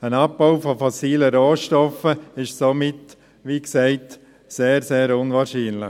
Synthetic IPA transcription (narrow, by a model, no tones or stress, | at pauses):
ənap̚baʊfɔfɔsiːləɾoːʃtɔfəɪʃsomɪt | ʋiːksɛɪt | seːɾseːɾʊnʋɑːɾʃiːnlɪ